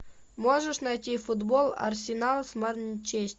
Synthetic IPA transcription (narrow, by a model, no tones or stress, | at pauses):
moʐəʂnɑjtʲifud̪bolˠa̰rsʲɪnɑlˠsmərnʲt͡ɕesʲtʲ